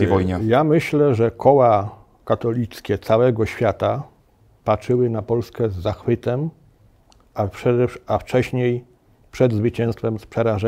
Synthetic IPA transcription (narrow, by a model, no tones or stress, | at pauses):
vɔjɲɛjamɘɕlɛʐɛkʰɔwa | kat̪ɔlʲit̪skʲɛt̪sawɛɡɔɕfʲjat̪a | patt͡ʂɘwɘnapɔlskɛzːaxfɘt̪ɛm | aʂɛaft͡ʂɛɕɲej | pʂɛd̪zvɘt͡ɕɛ̃w̃st̪fɛmspʂɛɾaʐɛ